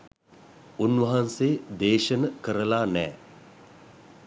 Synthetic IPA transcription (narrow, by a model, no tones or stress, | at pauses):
unʋɐɦanseːd̪eːʃənəkəɾəlaːnɛː